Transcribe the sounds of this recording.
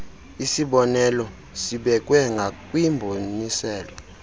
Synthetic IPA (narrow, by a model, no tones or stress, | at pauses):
isiɓɔnɛlɔ | siɓɛk̬ʼwɛŋɡʱakʼwimbʱonisɛːlɔ